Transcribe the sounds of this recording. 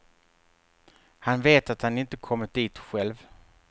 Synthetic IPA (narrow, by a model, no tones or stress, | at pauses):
hanveːt̪at̪hanɪnt̪əkʰɔmːəd̪iːt̪ɧɛlv